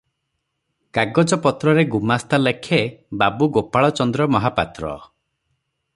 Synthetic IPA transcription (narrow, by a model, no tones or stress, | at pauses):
kaɡɔd͡ʒɔpɔt̪ɾɔɾeɡumast̪alekʰebabuɡopaɭɔt͡ʃɔnd̪ɾɔmɔɦapat̪ɾɔ̰